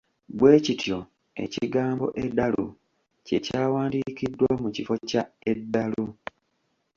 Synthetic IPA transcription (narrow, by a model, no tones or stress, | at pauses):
bwe̞ːcitʰjo̞ | e̞̰ciɡaːmbo̞̰ʔedːalṵ | ce̞caːwaːndicidːwamucifo̞cae̞dːalu